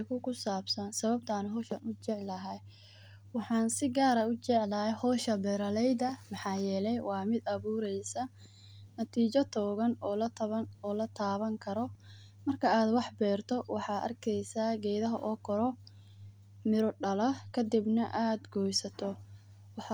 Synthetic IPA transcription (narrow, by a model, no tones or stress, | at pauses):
kʰʊkʰʊsaːbsɐnsɐβɐb̚t̪ʰaːnɦɔʃɐnʊt͡ʃɛʕlɐɦɐj | wɑħɑːnsɪɡaːɾɐʊt͡ʃɛʕlɐɦɛjhɔːʃɐbɛːɾɐlɛjd̪ɐmɑħɑːjɛːlɛjwɑːmɪd̪ɐβuːɾɛjsɐ | nɐt̪ʰiːt͡ʃɐt̪ʰɔːɣɐnɔːlɐt̪ʰɐɔːlɐt̪ʰaːβɐŋkʰɐɾɔ | mɐrkʰɐaːd̪wɑħbɛːrt̪ʰɔwɑħɑːʔɐ̰rkʰɛjsaːɡɛjðɐɦɐʔɔːkʰɔɾɔ | mɪɾɔɖɐlɐkʰɐd̪ibnɐʔaːd̪ɡɔːjsɐt̪ʰɔ | wħ